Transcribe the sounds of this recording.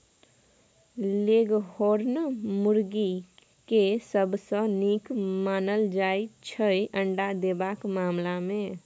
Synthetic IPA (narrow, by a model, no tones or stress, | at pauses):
leɡɦoɾnmuɾɡi | kesəbsə̃nikmanəld͡ʒajt͡ʃʰəjʔəɳɖad̪ebakmamlamẽ